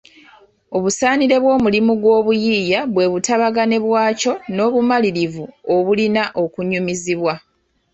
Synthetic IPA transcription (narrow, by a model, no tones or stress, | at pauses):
o̞βusaːniɾe̞βwo̞ːmulimuɡwo̞ːβujiːjaβwe̞βutaβaɡane̞βwaːco̞no̞ːβumaliɾivuo̞βulinaʔo̞kuɲumiziβwa